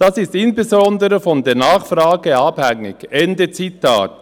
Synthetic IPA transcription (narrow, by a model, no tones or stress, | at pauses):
d̥asɪstɪnsbezɔndəɾəfɔndeːɐnaːχfraːɡ̥əɑbhɛŋːɪ̰ɡɛndət͡sitʰa̰ːt̚